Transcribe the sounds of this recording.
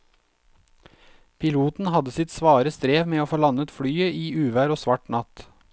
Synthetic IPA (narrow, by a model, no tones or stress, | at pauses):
pʰɪluːt̪n̩hɑd̪əsɪt̪sʋɑːɾəst̪ɾeːʋmeːoːfoːlɑnət̪fɽyːəʔiːʔʉːʋæːɾoːsʋɑʈnɑt̪